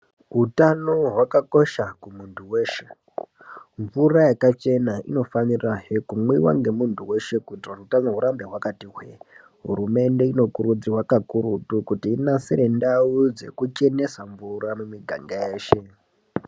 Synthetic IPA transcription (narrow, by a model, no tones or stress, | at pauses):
ɦutano̞ɦwakako̞ʃakumuntʰuwe̞ːʃe̞ | ɱvurajakat͡ʃe̞naḭno̞faniraɦekumwiwa̰ŋɡe̞muntʰuwe̞ʃe̞kutrarutanoɦuɾambe̞ɦwakatiɦwḛ | ɦṵɾume̞nde̞ino̞kuɾud͡ziwakakuɾutukutiːnasiɾendaud͡ze̞̰kut͡ʃe̞ne̞saɱvuramumiɡʱa̰ŋɡaeːʃe̞